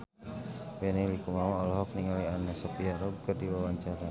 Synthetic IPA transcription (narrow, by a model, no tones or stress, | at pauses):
wɛnilikumamaɔlɔɦɔk̚niŋalianasɔpiaɾɔkədiwawaɲt͡ʃaɾa